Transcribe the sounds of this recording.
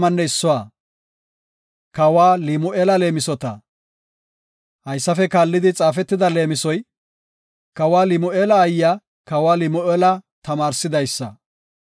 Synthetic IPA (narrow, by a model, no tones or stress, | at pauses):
mɐnːɛɪsːɔwaː | kɐwaːlɪmʊʔeːlɐle̞ːmɪsɔt̪ɐ | hɐjsːɐfɛkaːlːɪd̪ɪt͡sʼaːfɛt̪ːɪd̪ɐle̞ːmɪsɔj | kɐwaːlɪmʊʔeːlɐːjːa | kɐwaːlɪmʊʔeːlɐt̪ɐmaːɾsɪd̪ɐjsːɐ̰